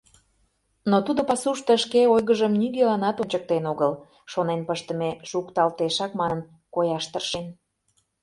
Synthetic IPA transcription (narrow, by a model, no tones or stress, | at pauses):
not̪ud̪opɑsuʃt̪əəʃkeojɣəʒəmnyɣelɑnɑt̪onʲt͡ɕək̚t̪enoɣəl | ʃonenpəʃt̪əmeʃukt̪ɑlt̪eʃɑkmɑnən | kojɑʃt̪ərʃen